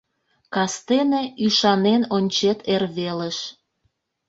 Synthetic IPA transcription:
kɑst̪eneyʃɑnenonʲt͡ɕet̪ʰerβeləʃ

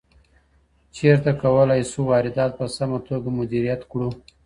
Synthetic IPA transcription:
t͡ʃeɾt̪akawəlɑjsuwɑɾɪd̪ɑt̪̚pəsamat̪oɡamʊd̪iɾijat̪kɽu

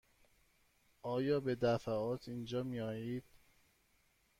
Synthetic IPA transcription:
ɒːjɒːbe̞d̪æfæɒːt̪ʰind͡ʒɒːmijɒːjiːd̪̥̚

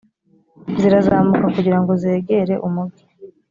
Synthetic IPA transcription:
ziɾazaːmukakuɟiɾaŋɡo̞zeːɡe̞ɾe̞ʔumubɡi̥

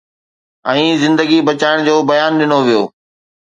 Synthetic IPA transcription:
ɛ̃ːzɪ̃nd̪əɡibɐt͡ɕaːɪɽ̃d͡ʑoːbɐjaːnɗɪnoʋijoː

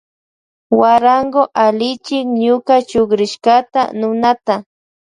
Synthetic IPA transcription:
waɾaŋɡoʔalɪt͡ʃɪŋɲʊkat͡ʃoχɾɪʃkat̪anʊnat̪a

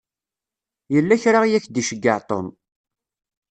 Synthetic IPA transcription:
jəlːæçɾaʁjæçd̪iʃəɡːəʕt̪ˤo̰n

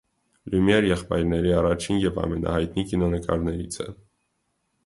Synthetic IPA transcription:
lumjɛɾjɛχpɑjɾnɛɾiɑrɑt͡ʃʰinjɛvɑ̰mɛnɑ̰hɑjt̪nikinɔnəkɑ̰ɾnɛɾit͡sʰɛ̰

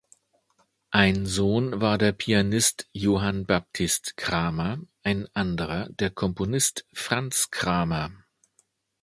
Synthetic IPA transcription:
ʔaɪnzoːnvaːɐdeːɐpʰianɪstjoːɦanbap̚tʰɪstkʁ̥aːmɐʔaɪnʔandəʁɐdeːɐkʰɔmponɪstfʁ̥ant͡skʁ̥aːmɐ

